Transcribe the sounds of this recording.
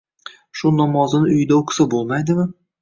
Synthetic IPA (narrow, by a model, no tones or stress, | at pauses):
ʃʊnɒmɒzɨnɪʊjɪd̪aokʰsɪbolˠmajd̪ɪmɪ